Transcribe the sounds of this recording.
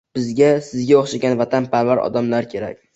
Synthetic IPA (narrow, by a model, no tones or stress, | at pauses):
b̥ɪzɡʲasɪzɡʲaoχʃaɡʲanvat̪ʰanpʰaɾvaɾɒ̰d̪amlaɾkʲʰe̞ɾa̰kʲ